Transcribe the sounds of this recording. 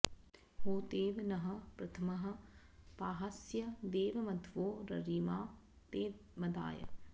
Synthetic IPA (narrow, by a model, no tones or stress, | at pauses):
ɦoːt̪eːʋnɐɦɐ̆pɾɐt̪ʰɐmɐɦɐ̆paːɦɐsjɐd̪eːʋɐmɐt̪ʰʋoːɾɐ̰ɾiːmaː | t̪eːmɐd̪a̰ːjɐ̰